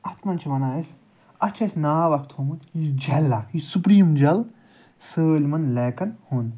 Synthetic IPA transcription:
ɐt̪ʰmɐnt͡ʃʰiʋɐnaːis | ɐt͡ʃʰɐsʲnaːʋɐkʰt̪hoːmut̪jid͡ʒɐlʲːaːkjisupɾiːmd͡ʒɐl | səːlʲmɐnleːkɐnhond̪

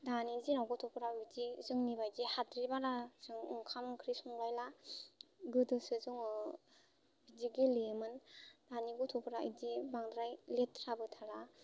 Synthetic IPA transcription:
danizinawɡɔtʰɔpʰɾabidizɯŋnibajdihatɾibaɾazɯŋɯŋkʰamkʰɾisɔŋlajla | ɡɯdɯsɯzɯŋ | bidiɡilemɯnd̥aniɡɔtʰɔpʰɾaḭdibaŋdɾajletɾabɯtʰala

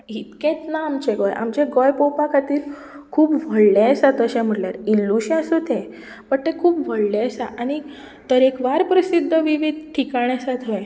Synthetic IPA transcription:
ɦit̪kẽt̪naːmt͡ɕeɡɔja̰mt͡ɕeɡɔjpopakʰat̪iːɾ | kʰuːpʋʱəɭlesat̪əɕẽm̤əɽljaɾilːuɕasut̪e | pəɳt̪ekʰuːpʋʱəɭleəsaʔañi | t̪əɾekʋaɾpɾəsid̪ʱːəʋiʋid̪ʱʈʰikaɳjasat̪ʰʋəj

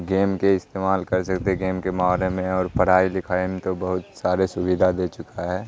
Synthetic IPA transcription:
ɡeːmkeɪst̪eːmaːlkɐɾsɐkt̪eɡeːmkemaːɦlemẽɔːɾpɐɽ̤aːilɪkʰaːimẽt̪obɐɦʊt̪saːɾesʊʋid̪ʱad̪eːt͡ʃʊkaɦɛː

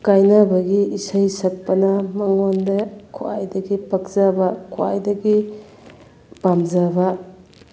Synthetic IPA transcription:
kajnabɐɡiisɐjsɐk̚pɐnɐmɐŋondekʰo̰a̰jdɐɡipɐk̚z̥abɐkʰua̰jdɐɡi | pamzabɐ

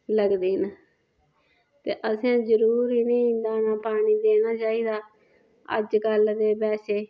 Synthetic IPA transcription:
ləɡd̪iːn | t̪eːʔəsãːzəɾuːɾiːnə̃ːnd̪aːnaːpaːɽ̃iːd̪eːnaːt͡ʃaːiːd̪aː | ə̰d͡ʒɡəld̪eːbɛːseː

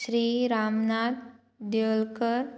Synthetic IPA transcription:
ɕɾiːɾamnad̪ | d̪elkəɾ

